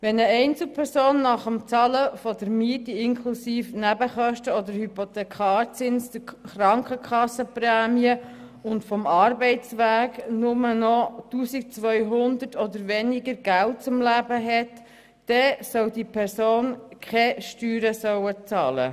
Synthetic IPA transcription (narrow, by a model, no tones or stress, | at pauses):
ʋɛnəɛɪnt͡sl̩pʰɛɾsoːnːɑχəmt͡sɑləfɔd̪əɾmiətiɪŋkʰχlusiːfnæbəχœʃtəɔd̪əɾhypot̪ɛkχɑːɾt͡sɪnsd̪əɾχɾɑŋkəkχɑsːəpræːmiə | ʊntfɔmɑːɾbɛɪt͡sʋæːɡnʊmənɔtuːsik̚t͡sʋœʏɦʊnd̪əɾtɔd̪əɾʋɛnɪɡəɾɡ̥ælt̚t͡sʊmlæbəɦɛtː | ɛsœwdipʰɛɾsoːnkʰχɛʃtyːɾəsœwət͡sɑːlə̰